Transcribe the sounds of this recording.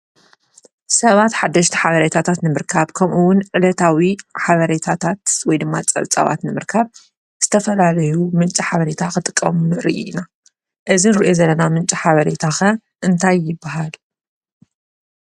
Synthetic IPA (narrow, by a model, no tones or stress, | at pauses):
sɐβat̪ħad̪ːɐʃt̪ʰi̥ħaβɐɾet̪ʰat̪ʰat̪nɨmɨɾkʰaβkʰɐmʔuwʊnʕɨlɐt̪ʰawiħaβɐɾet̪ʰat̪ʰat̪wɔjd̪ɨmːat͡sʼɐ̰βt͡sʼɐ̰βa̰t̪nɨmɨɾkʰaβ | z̥ɨt̪ʰɐfɐlalɐjumɨnt͡ʃʼiħaβɐɾe̞t̪ʰakɨt̪ʼɨkʼːɐ̰munɨɾiʔḭna | ʔɨzinɨɾiʔozɐlːɐnamɨnt͡ʃʼiħaβɐɾe̞t̪ʰaxɐ | ʔɨnt̪ʰajːɪbːaɦal